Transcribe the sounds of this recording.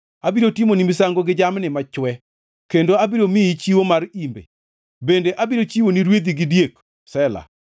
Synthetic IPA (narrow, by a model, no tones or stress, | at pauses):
abiɾotimonimɪsaŋɡoɡɪd͡ʒamnɪmat͡ʃwɛ | kendoabiɾomɪit͡ʃiwomaɾimbḛ | bendeʔabiɾot͡ʃiwoniɾwed̪iɡɪdjek | sɛla̰